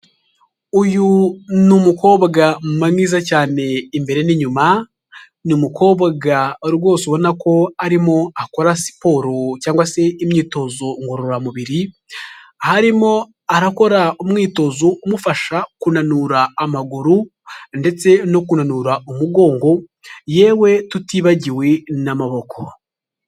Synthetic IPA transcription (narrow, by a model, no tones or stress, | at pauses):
ujunumuko̞ːβaɡamumamŋiːzacaːne̞imbe̞ɾe̞niɲuma | numuko̞ːβaɡaɾɡo̞ːsuβo̞nako̞aɾimo̞ako̞ɾasi̥po̞ːɾocaːŋɡwase̞imɲiːto̞zoŋɡoɾoɾamuβiɾi | haɾimo̞ | aɾako̞ɾaumŋiːto̞zoumufaʃakunanuɾaːmaɡuɾu | nde̞t͡se̞no̞kunanuːɾaumuɡo̞ːŋɡo̞ | je̞ːwe̞tutiβaɟiwe̞namaβo̞kʰo̞